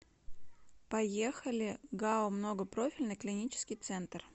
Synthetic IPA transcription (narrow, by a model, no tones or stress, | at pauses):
pɐjexəlʲɪɡaʊmno̞ɡəpɾofʲɪlʲnɨjklʲɪnʲit͡ɕɪ̥skʲɪjt̪sɛnt̪r